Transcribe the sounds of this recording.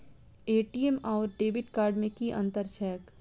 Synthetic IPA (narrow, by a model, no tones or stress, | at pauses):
eːʈiːemaːʊɾɖeːbɪʈkaːɾɖmẽkiʔɐ̰̃nt̪əɾt͡ʃʰɛːək